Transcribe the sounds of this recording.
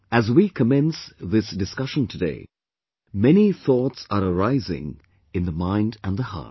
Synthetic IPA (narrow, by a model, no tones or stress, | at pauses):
ɨzwikʰəmɛ̃nsðɪsdɨskʌʃə̃ntʰɨdḛɪ | mɛniθɔtsəɾəɹaɪzɪ̰̃ŋ | ɨ̃nðəmãɪ̃ndə̃nðəhɑ̰ɹt̚